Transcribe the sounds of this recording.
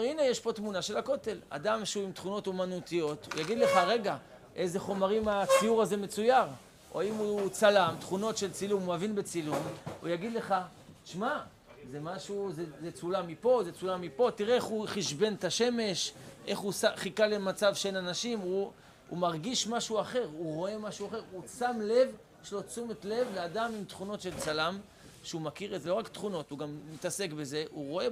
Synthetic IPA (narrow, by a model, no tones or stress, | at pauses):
eʁinejeʃpo̞tmunaʃe̞lako̞t̪e̞la̰damʃeuimt̪χuno̞tumanut̪ijo̞t̪ṵjaɡid̪le̞χaʁe̞ɡa | ʔe̞ze̞χo̞maʁimat͡sijuʁaze̞me̞t͡sujaʁ | ʔoaimut͡salamt̪χuno̞tʃe̞lt͡silumavinbe̞t͡silumujaɡid̪le̞χa | t͡ʃma | zemaʃuzezet͡sulamipo̞zet͡sulamipo̞tiʁeeχuχiʃbe̞nt̪aʃe̞me̞ʃʔe̞̰χusaχikalemat͡savʃeenanaʃimu | ṵmaʁɡiʃmaʃuaχe̞ʁuʁo̞e̞maʃuaχe̞ʁusamle̞v | ʃelo̞t͡sumetle̞vleadamimt̪χuno̞tʃe̞lt͡salam | ʃeumakiʁezeloakt̪χuno̞tuɡamːit̪ase̞kbe̞ze̞ʔuʁo̞e